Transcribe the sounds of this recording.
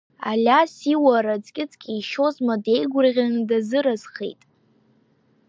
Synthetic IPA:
a̰lʲasiwaɾad͡zʼkʲʼɪt͡sʼkʲʼiiʃozmade̞jɡʷʊrʁʲanɨdazɨɾazχḛjtʼ

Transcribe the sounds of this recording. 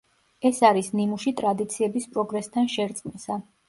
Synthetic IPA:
ɛsaɾisnimuʃit̪ʼɾad̪it̪sʰiɛbispʼɾɔɡɾɛst̪ʰanʃɛɾt̪sʼqʼmisa

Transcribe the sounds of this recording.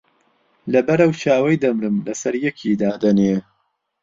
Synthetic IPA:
lɐbɐɾɐwt͡ʃʰaːwɐjd̪ɐmɾɨmlɐsɐɾjɛkʰid̪aːd̪ɐneː

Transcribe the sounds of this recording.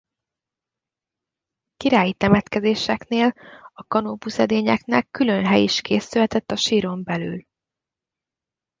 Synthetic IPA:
kiɾaːjit̪ɛmɛt̪kɛzeːʃɛkneːlɒkɒnoːpusɛd̪eːɲɛknɛkːylø̞nɦɛjiʃkeːsylɛt̪ɛt̪ːɒʃiːɾo̞mbɛly̰ːl

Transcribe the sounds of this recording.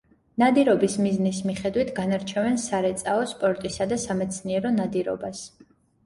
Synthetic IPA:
nad̪iɾɔbismiznismiχɛd̪wit̪ʰɡanaɾt͡ʃʰɛvɛnsaɾɛt̪sʼaɔspʼɔɾt̪ʼisad̪asamɛt̪sʰniɛɾɔnad̪iɾɔ̰bas

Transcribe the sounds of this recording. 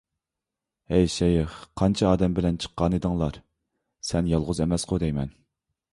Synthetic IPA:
ɛjʃɛjɪχqʰɑnt͡ʃʰɑɑːd̪ɛmbɪlɛnt͡ʃʰə̥qːɑnɨd̪ɨŋlˠɑɾ | sɛnjɑlˠʁʊzɛmɛsqod̪ɛjmɛn

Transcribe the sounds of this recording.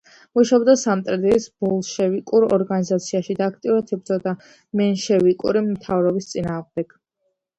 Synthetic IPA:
muʃabd̪asamt̪ʼɾɛd̪iisbɔlˠʃɛvikʼuɾɔ̰ɾɡanizat̪sʰiaʃid̪aːkʰt̪ʼiuɾat̪ʰibɾd̪zɔd̪a | mɛnʃɛvikʼuɾimt̪ʰavɾɔbist̪sʼinaːʁmd̪ɛɡ̥

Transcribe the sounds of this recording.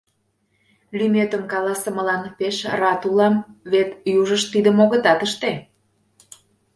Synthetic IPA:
lymet̪əmkɑlɑsə̆məlɑnpeʃrɑt̪ulɑmβet̪juʒəʃt̪ːid̪əmoɣə̆t̪ɑt̪əʃt̪e

